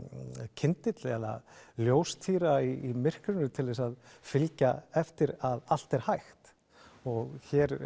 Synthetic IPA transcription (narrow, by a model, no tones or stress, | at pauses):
cʰɪnt̪ɪt̪lɪɛla̰ljoːwst̪ʰiːɾaiːmɪr̥kɾʏnʏt̪ʰɪlvɪɛsaðfɪlcaɛft̪ɪɾaðal̥t̪ɛɾ̥hajxt̪ | ɔɣçɛɾ